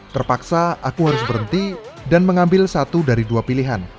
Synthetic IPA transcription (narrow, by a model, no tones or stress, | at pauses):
t̪ərpaksaakuɦaɾʊs̬bəɾənt̪idanməŋambɪlsat̪udaɾiduapiliɦan